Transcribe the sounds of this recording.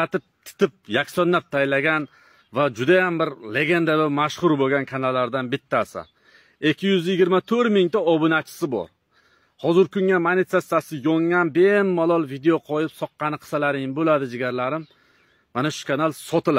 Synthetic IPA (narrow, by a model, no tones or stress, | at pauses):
at̪ɪp̚t̪ʰɪ̥t̪ɪp̚jakʲsɒnːap̚t̪ʰajlaɡʲan | vad͡ʒʊd̪ajambɪɾle̞ɡʲe̞nd̪abɪmaʃχʊɾboɡʲankʰanalːaɾd̪anbɪt̪ʰːasɪ̰ | ekʲːɪjʏzjɪɡʲɪɾmat̪ʰɵɾmɪŋt̪aɒbʊnat͡ʃʰɪ̥sɪbɒ̰ɾ | hɒzɪɾkʊŋamanɪt̪sesasɪjɒŋːanbemːalˠɒlˠvid̪eoqʰɒjɪpsɒqːɑnɪqʰɨ̥salaɾɪŋmbolad̪ɪd͡ʒɪɡʲaɾlaɾɪmː | anaʃʊ̥kʰanalˠsɒt̪ɪl